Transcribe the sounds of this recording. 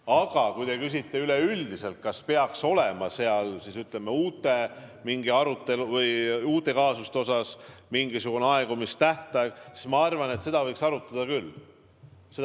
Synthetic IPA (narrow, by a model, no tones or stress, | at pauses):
ɑɡ̥ɑkujt̪e̞kysit̪ːe̞yleyld̪̥ise̞lt̪̚kɑspe̞ɑkso̞lemɑse̞ɑlsisyt̪lemeuːt̪ːˑe̞miŋɡ̥iɑɾut̪ːˑe̞luvɤjuːt̪ːˑe̞kɑːsust̪eo̞sɑsmiŋɡisuɡ̥uneɑe̞ɡ̥umist̪æht̪ɑeɡsi̥smɑɑrvɑne̞t̪se̞d̪ɑvɤjksɑɾut̪ːˑɑd̪̥ɑkylː | se